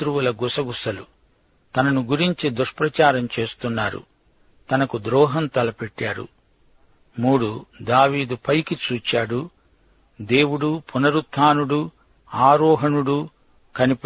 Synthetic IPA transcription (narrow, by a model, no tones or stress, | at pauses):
t̪ɾuwulɐɡusɐɡusɐlṵ | t̪ɐnɐnuɡuɾiɲt͡ʃid̪uʂpɾɐt͡ʃaːɾɐmt͡ʃe̞ːst̪unːaːɾṵ | t̪ɐnɐkud̪ɾɔːɦɐnt̪ɐlɐpɛʈːaːɾṵ | muːɽud̪aːʋiːd̪upɐjkit͡ʃuːt͡ʃaːɽu | d̪e̞ːwuɽupunɐɾut̪ʰaːnuɽu | aːɾɔːɦɐnuɽu | kɐnip